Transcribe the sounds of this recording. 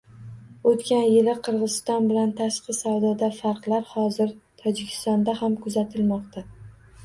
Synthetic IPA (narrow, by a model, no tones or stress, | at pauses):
ot̪kʲʰanjɪlɪqʰɨɾʁɨzɪst̪ɒnbɪlant̪ʰaʃqɨsawd̪ɒd̪afaɾqlˠaɾhɒzɪɾt̪ʰɒd͡ʒɪkʲʰɪ̥st̪ɒnd̪ahamkʰʊzat̪ʰɪlmɒq̚t̪ʰa